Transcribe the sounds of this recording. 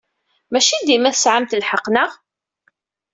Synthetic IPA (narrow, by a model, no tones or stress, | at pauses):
mæʃid̪imæθəsʕamt̪lħəqnəʁ